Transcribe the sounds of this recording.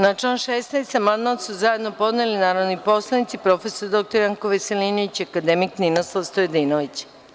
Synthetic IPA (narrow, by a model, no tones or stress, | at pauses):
nat͡ʃanʃeːsnajst̪amanmat̪suzaje̞d̪no̞po̞d̪nelinaːɾod̪nipo̞slˠanit̪sipɾo̞fe̞soɾd̪o̞k̚t̪oɾjaŋkoʋeselinoit͡ɕakad̪emikninoslˠaʋst̪ojed̪inoʋit͡ɕ